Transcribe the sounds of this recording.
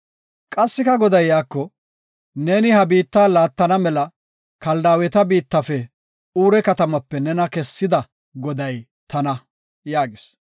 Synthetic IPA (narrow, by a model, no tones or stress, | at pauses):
kʼɐsːɪkɐɡɔd̪ɐjːaːkːɔ | ne̞ːnɪhɐbiːt̪ːaːlaːt̪ːɐnɐmɛlɐ | kɐld̪aːwɛt̪ɐbiːt̪ːɐfɛ | uːɾɛkɐt̪ɐmɐpːɛnɛnɐkɛsːɪd̪ɐ | ɡɔd̪ɐj | t̪ɐnɐ | jaːɡɪs